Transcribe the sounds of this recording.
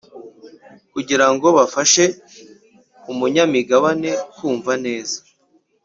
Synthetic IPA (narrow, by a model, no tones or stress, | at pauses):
kuɟiɾaŋɡo̞βafaʃe̞ | umuɲamiɡaβane̞kuːɱvane̞ːzḁ